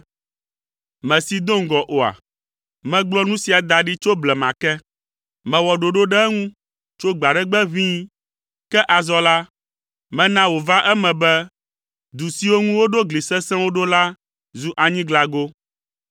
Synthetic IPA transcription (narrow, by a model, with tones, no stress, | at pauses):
mɛ̃˨si˨d̪o˦ŋɡɔ˨ʔo˨a̰˨ | mɛ̃˦ɡ͡blɔ˦nũ˦si˨a˨d̪a˨ɖi˦t͡ʃo˦blɛ˨mã̰˨kɛ˦ | mɛ̃˨wɔ˨ɖo˨ɖo˦ɖɛ˦ɛ˦ŋũ˦ | t͡ʃo˦ɡ͡ba˨ɖɛ˦ɡ͡bɛ˦vĩ˦ | kɛ˦ʔa˨zɔ˦la˦ | mɛ̃˦nã˦wo˨va˦ʔɛ˦mɛ̃˨bɛ˦ | d̪u˨si˨˦wo˦ŋũ˦wo˦ɖo˦ɡli˨sɛ̃˦sɛ̃˦wo˦ɖo˦la˦ | zu˦ʔa˨ɲĩ˦ɡla˨ɡo˦